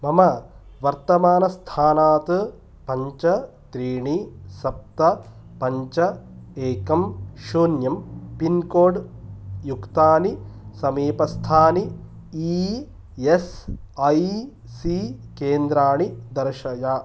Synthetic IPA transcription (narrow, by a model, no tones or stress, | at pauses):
mɐmɐʋɐɾt̪ɐmaːnɐst̪ʰaːnaːt̪ɨ | pɐɲt͡ʃɐ | t̪ɾiːɳisɐp̚t̪ɐ | pɐɲt͡ʃɐeːkɐmʃoːnjɐmpinkoːɖjukt̪aːnisɐmiːpɐst̪ʰaːni | i | esɐj | sikeːnd̪ɾaːɳid̪ɐɾʃɐjaː